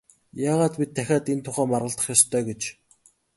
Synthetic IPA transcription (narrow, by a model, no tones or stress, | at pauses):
jaːʁaːt̪pit̪ʰːæxʲaːt̪ent̪ʰʊχæːmarʁə̆ɮt̪ə̆χjɔst̪ʰœːɡet͡ɕ